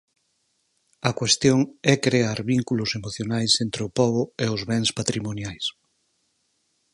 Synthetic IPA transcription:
ɐkwest̪joŋɛkɾeaɾβiŋkulʊsemoθjonajsent̪ɾeʊpɔβoeʊzβɛŋspat̪ɾimonjajs

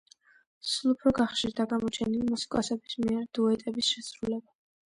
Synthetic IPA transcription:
sulˠupʰɾɔɡaχʃiɾd̪aɡamɔt͡ʃʰɛnilimusi̥kʼɔsɛbismiɛɾd̪̥uɛt̪ʼɛbisʃɛsɾulɛba

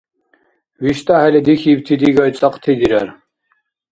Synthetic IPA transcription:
wiʃt̪ʼahɛlɛd̪ixib̚t̪ʰid̪iɡɔjt͡sʼəqʼt̪ʰid̪iɾɛɾ

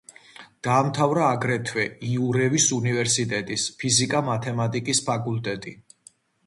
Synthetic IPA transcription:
d̪̥aːmt̪ʰavɾaːɡɾɛt̪ʰwɛiuɾɛvisunivɛɾsit̪ʼɛt̪ʼispʰizikʼamat̪ʰɛmat̪ʼikʼispʰakʼult̪ʼɛt̪ʼi

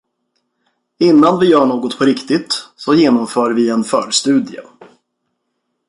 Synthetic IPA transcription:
ɪnːanvɪjœːɳoːɡɔt̪pʰɔɾɪkt̪ɪt̪sɔjeːnɔmfœːɾvɪɛnfœːɾst̪ʉ̟ːd̪ɪə̰

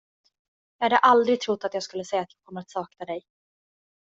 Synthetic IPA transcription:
jɑːhad̪əʔald̪ɾɪɡ̚t̪ʰɾʊt̪ːat̪jɑːɡskɵlːəsɛjːat̪jɑːɡ̚kʰɔmːəɾat̪sɑːknad̪ɛj

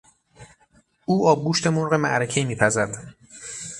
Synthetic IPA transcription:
ʔuːʔɒːb̚ɡuːʃt̪emoɾɣe̞mæ̰ʔɾecʰemiːpʰæzæɾd̪̥

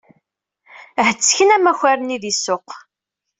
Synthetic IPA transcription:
ɦət͡sːçənæmæçaɾəniðisːʊq

